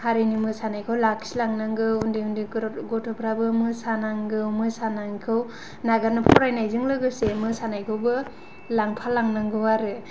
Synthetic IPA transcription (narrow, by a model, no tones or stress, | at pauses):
haɾinimɯsanajkʰɯwlak̚silaŋnaŋɡɯundiundiɡɔtʰɔpʰɾabɯmɯsanaŋɡɯwmɯsanaŋkʰɯw | naɡanɯpʰɔɾajnajzɯŋlɯɡɯsemɯsanajkʰɯwbɯ | laŋpʰalaŋnaŋɡɯwaɾɯ